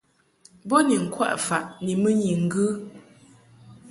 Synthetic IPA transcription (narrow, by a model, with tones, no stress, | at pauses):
bɔ˦ni˨ŋ̩˨kwa̰˦ʔfa˨ʔni˨mə˦ɲi˨ŋ̩˨ɡɨ˦